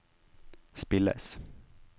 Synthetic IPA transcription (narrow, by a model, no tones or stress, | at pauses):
spɪlɛ̰s